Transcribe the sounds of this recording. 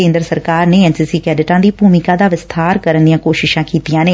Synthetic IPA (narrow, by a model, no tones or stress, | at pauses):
ẽːnd̪ɾəsəɾkaːɾneːɛːnsiːsiːkɛːɖɪʈãːd̪iːbʱuːmɪkãːd̪aːʋɪst̪ʰaːɾkəɾənd̪ijãːkoːʃɪʃãːkiːt̪ijãːneː